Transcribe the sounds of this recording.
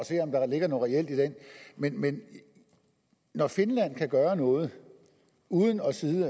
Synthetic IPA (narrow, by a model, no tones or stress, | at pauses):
ɒ̽se̝̰ːɒ̽md̥ɑ̈le̝ɡ̥ɐnoːʁɛel̰d̥id̥enmenmen | nɒfe̝nlæn̰kʰæɡ̥ɶːɐnɔ̽ːð̞̩ˠ | uːð̞ˠn̩ɒ̽siːðˠə